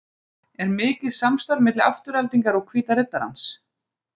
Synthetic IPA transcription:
ɛɾmɪːcɪðsamst̪aɾmɪt̪lɪa̰ft̪ʏɾalt̪iŋkaɾɔɣkʰviːt̪aɾɪt̪ːaɾa̰ns

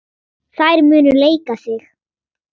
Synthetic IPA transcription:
θajɾmʏːnʏleːjkasɪx

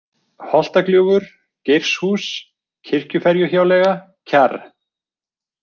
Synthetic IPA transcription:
hɔl̥t̪aklʏːɣʏɾ̥ | cejr̥shuːs | cʰɪr̥cʏfɛɾjʏçaːwlɛːɣa | cʰar

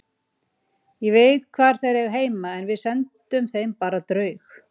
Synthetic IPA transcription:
jɛveːjt̪kʰvaːɾ̥θajɾɛɣaɦeːjmaɛnvɪðsɛnt̪ʏmθejmpaːɾat̪ɾœːɥx

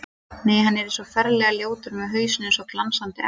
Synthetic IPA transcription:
neːjɦanːɛɾɛnsɔfɛɾlɛɣaljoːwt̪ʏɾmɛðɦœːɥsɪnɪnsɔklansant̪ɪʔɛ

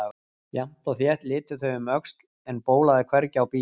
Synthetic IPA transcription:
jḁt̪ɔθjɛht̪lɪːt̪ʏθœɥʏmœkst̪l | ɛnpoːwlaðɪkʰvɛɾcɪawpiː

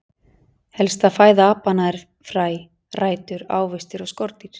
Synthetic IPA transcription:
hɛlst̪aðfaːjðaaːpanaɛɾ̥ | fɾaːj | raːjt̪ʏɾa̰ːwvɪst̪ɪɾɔskɔɾt̪iɾ̥

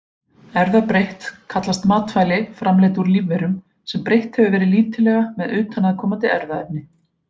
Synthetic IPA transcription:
ɛɾðapɾejht̪kʰat̪last̪maːt̪faːjlɪfɾamlɛːt̪uɾlivːɛɾʏm | sɛmpɾejht̪hɛvɪvɛːɾɪliːt̪ɪlɛːɣamɛðʏːt̪ʰanaðkʰɔːmant̪̬ɪɛ̰ɾðaɛp̚nɪ

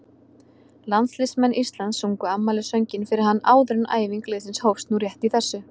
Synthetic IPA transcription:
lant̪slɪsmɛnːʔist̪lansuŋkʏamːalɪsœɲcɪnfɪɾɪɾ̥ɦanːa̰ːwðʏɾna̰ːjviŋklɪːðsɪnshowfst̪nuɾjɛht̪iθɛsːʏ

